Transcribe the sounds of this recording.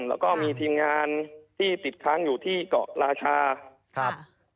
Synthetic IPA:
mlɛ̰ː˦˥wkɔː˥˩miː˧t̪ʰiː˧mŋaː˧nt̪ʰiː˥˩t̪i˨˩t̪̚kʰːaː˧˥˩ŋjuː˨˩t̪ʰiː˥˩kɔ̰ː˨˩ʔɾaː˧t͡ɕʰaː˧ | k̚ʰ

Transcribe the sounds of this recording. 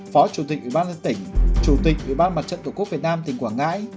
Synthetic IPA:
fɔ˨˦t͡ɕu˨˧˩t̪̬ï̟˨˩ʔwi˨˩ɓaː˧nzə˧nt̪ï˧˩ŋ̟t͡ɕu˧˩t̪ï̟˨˩ʔwḭ˨˩ɓaː˧nma˨˩t̚t͡ɕə̰˧˨t̪oː˧˩kk̚vt̚naː˧mt̪ï˨˩ŋkwaː˧˩ŋa̰ː˧˥j

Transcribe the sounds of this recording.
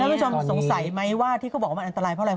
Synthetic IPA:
a˥˩˨t͡ɕʰo˧mso˨˩˦ŋsa˨˩˦jma˦˥jwaː˥˩t̪ʰiː˩ka˥˩bɔː˨˩wʔnt̪a˧ɾaː˧jpʰa˥˩a˧˩

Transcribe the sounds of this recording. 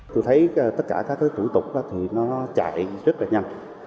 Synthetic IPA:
t̪o˧jt̪ʰə˨˦jt̪ə˦˥t̚kaː˧˩kaː˦˥k̚t̪i˨˦t̪u˧˩˦jt̪ʊ˨˩k͡p̚ʔaː˨˦t̪ʰi˨˩nɔ˨˦˨t͡ɕa̰ː˧˨jzə˦˥t̚laː˨˩ɲə˧n

